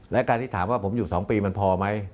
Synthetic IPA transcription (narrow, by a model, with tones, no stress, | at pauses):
lɛ˦˥˨kaː˧nt̪ʰiː˥˩t̪ʰaː˩˦mwaː˥˩pʰo˩˦mjuː˨˩sɔː˩˦ŋpiː˧ma˧npʰɔː˧ma˦˥j